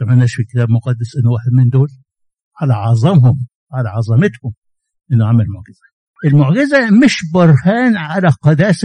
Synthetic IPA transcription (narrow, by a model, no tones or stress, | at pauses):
ɑmanːæːʃfikɪ̥t̪æːbmʊqɑd̪ːasʔɪnːʊwaːħed̪̚mɪnd̪oːl | ʕalæʕɑzˤɑmɦʊm | ʕalæʕɑzˤɑmɪt̪hʊm | ʔɪnːʊʕamɪlmʊʕɡɪz̥æ | ʔɪlmʊʕɡɪzæmɪʃbɑɾˤhaːnʕalæqɑd̪æːs